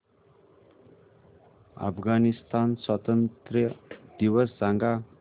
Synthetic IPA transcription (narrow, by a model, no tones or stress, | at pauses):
a̰pʰɡanist̪answʌt̪ʌnt̪rjʌd̪̥iwʌsd͡zaŋɡa